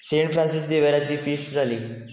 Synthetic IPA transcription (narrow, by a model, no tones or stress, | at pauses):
seɳʈfɾãnsis̬d̪eʋəɾjat͡ɕiːfisʈd͡zʱaliː